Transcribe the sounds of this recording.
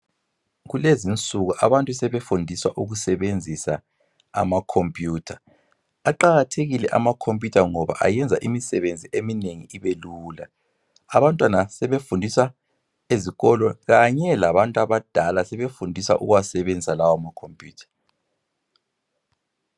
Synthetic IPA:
ɣulezint͡sʼuɣuʔaβantʼusɛβefundʱiswa̰ʔuɣusɛβend͡zʱisa | a̰makʰompʼjuːtʰa | aǃaɣatʰeɣilɛʔamakʰompʼjutʰaŋɔβa̰ʔa̰jɛnd͡zʱaʔimisɛβend͡zʱiʔemineŋḭiβeluːla | aβantʼwanasɛβefundʱiswa | eziɣɔlɔɣaɲɛlaβantʼaβad̥ʱalasɛβefundʱisa̰ʔṵɣwasɛβend͡zʱisalawamakʰompʼjṵːtʰḁ

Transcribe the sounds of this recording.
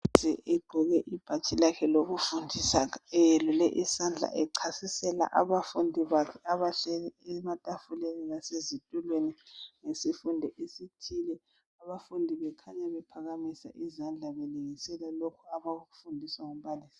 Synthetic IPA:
ziʔɛɡ͡ǃʱɔɣɛʔib̥ʱat͡ʃʼilakʰɛloɣufundʱisaɛlulɛʔisand͡ɮʱa̰ʔɛǀʰasisɛla̰ʔaβafundʱiβakʰɛaβaɬɛɛɛmatʼafuleninasezitʼulweniŋesifundʱɛʔesitʰilɛ | aβafundʱiβɛkʰaɲaβɛpʰaɣamisa̰ʔizand͡ɮʱaβɛliŋisɛlalokʰuaβaɣuɣu̥fundʱisaŋum̩baliːsi̥

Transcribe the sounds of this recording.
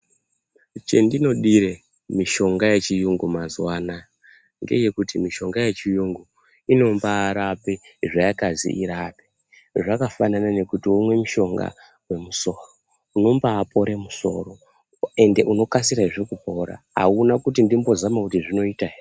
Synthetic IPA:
t͡ʃḛndino̞ɗiɾe | miʃo̞ŋɡajet͡ʃijuŋɡumazwaːna | ŋɡe̞̰je̞kutimiʃo̞ŋɡajet͡ʃijuŋɡu | ino̞mbaːɾapeʐajakazḭʔiɾape̥ | ʐakafananane̞kutiumwe̞muʃo̞ŋɡa̰ | we̞muso̞ːro | uno̞mbaːpo̞ɾe̞muso̞̰ro̞ | e̞nde̞ʔuno̞kasiɾaiʐe̞kupo̞ɾa̰a̰unakutindimbo̞zamakutiʐino̞iːtai

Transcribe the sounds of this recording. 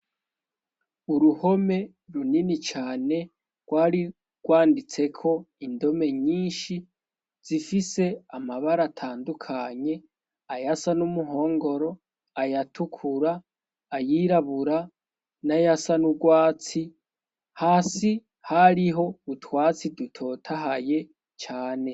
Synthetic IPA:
uɾuho̞me̞ | ɾuninit͡ʃaːne̞ | ɡ̥waːɾi | ɡ̥waːndit͡se̞kʰo̞indo̞me̞ɲiːnʃi | z̥ifise̞amaβaɾatʰaːndukʰaɲe̞ | ajasanumuɦo̞ːŋɡo̞ɾo̞ | ajatʰukʰuɾaː | jiɾaβuɾa | najasanuɡwaːt͡si | haːsi | haɾiɦo̞utwaːt͡sidutʰo̞tʰaɦaje̞ | t͡ʃaːne̞

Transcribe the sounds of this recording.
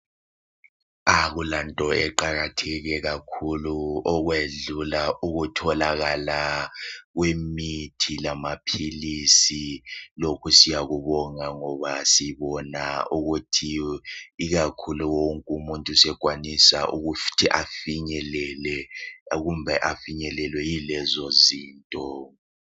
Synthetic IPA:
ak̬ulantʼɔɛǃak̬atʰɛk̬ɛk̬akʰuluɔk̬weɮulauk̬utʰɔlak̬ala | k̬wemitʰilamapʰilisilokʰusijak̬uɓɔŋaŋɔβasiɓɔnauɣutʰi | iɣakʰuluwoŋkʼumuntʼusɛɡ̥ʱwanisaʔuɣuftʰiʔafiɲɛlɛlɛk̬umbʱɛʔafiɲɛlɛlwɛjilɛzoziːntʼɔ

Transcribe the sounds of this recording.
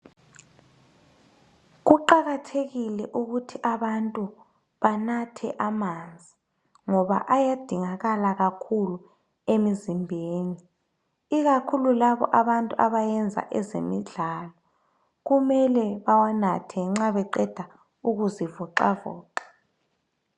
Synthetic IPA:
ɣuǃaɣatʰeɣilɛʔuɣutʰiʔaβantʼu | βanatʰɛ̰ʔamand͡zʱi | ŋɔβa̰ʔajad̥ʱiŋaɣalaɣakʰulu | emizimbʱeːni | iɣakʰululaβɔ̰ʔaβantʼuaβajɛnd͡zʱa̰ʔɛzḛmiɮalɔ | ɣumɛlɛβawanatʰɛŋ͡ǁaβɛǃɛd̥ʱa | uɣuzivɔǃa̰vɔ̰ːǃḁ

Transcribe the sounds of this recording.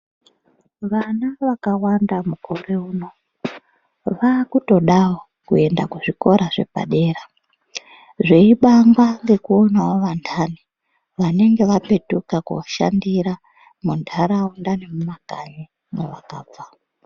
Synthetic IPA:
ʋanaʋakawandamukoreuːno | ʋakuto̞ɗawo | kue̞ndakuʐiko̞ɾaʐe̞̰pa̰ɗe̞ːɾa | ʐe̞iɓaŋɡwaŋɡe̞kuo̞nawoʋandʰani | ʋane̞ŋɡe̞ʋape̞tukako̰ʃa̰ndiɾa | mundʰʱaɾaondanemumaɡ̥ʱaɲi | neʋakaːp͡fa

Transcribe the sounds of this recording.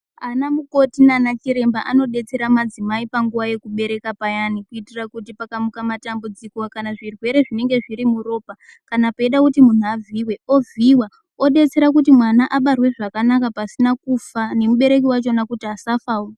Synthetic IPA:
anamuko̞tinanat͡ʃiɾe̞mbaʔano̞ɗe̞t͡se̞ɾamad͡zimaipaŋɡuʋaje̞kuɓe̞ɾe̞kapajanikuitirakutipakamukamatambud͡zikokanaʐirwe̞ɾe̞ʐine̞ŋɡe̞ʐiɾimuɾo̞ːpa | kanapaeɗakutimun̤uavʱiwe̞o̞viwa | o̞ɗe̞t͡se̞ɾak̬utimwanaʔaɓarwe̞ʐakanakapasinakufane̞muɓe̞ɾe̞k̬iwat͡ʃo̞nakutiasafaːo

